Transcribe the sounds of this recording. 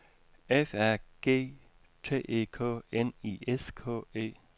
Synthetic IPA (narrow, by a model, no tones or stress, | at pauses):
efæɐ̰ɡ̥e̝̰ː | t͡sʰe̝̰ːʔḛːkʰɔ̰ːenḭeskʰɔ̰ːe̝̰ː